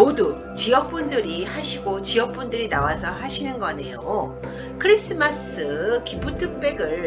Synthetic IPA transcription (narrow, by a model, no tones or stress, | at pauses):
modu | t͡ɕiʌk̚p͈undɯɾihaɕʰiɡot͡ɕiʌk̚p͈undɯɾinawasʰʌɦaɕʰinɯnɡʌne̞jo | kʰɯɾis͈ɯmasɯkipʰutʰɯk̚p͈e̞ɡɯɭ